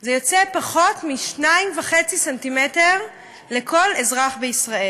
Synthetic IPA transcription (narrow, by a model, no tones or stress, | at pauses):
zejo̞t͡sepaχo̞tmiʃnaimvaχe̞t͡sisantimete̞ʁ | le̞kʰo̞lezʁaχbeisʁae